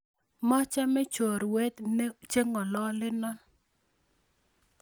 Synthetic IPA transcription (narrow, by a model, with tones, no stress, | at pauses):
mɔ˦t͡ʃa˦mɛ˦t͡ʃo˨ɾwe˦t̪nɛ˦t͡ʃe˦ŋɔ˨lɔ˦lɪ˦nɔ˦n